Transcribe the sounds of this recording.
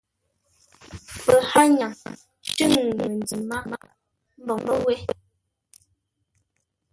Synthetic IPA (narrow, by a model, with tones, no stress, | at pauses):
pə˨ha˦ɲa˨ŋ | tɨ˦ŋ˨mə˨n˨d͡zi˨ma˦ma˦ | m̩˦bɔ˨ŋbɔ˦wɛ˦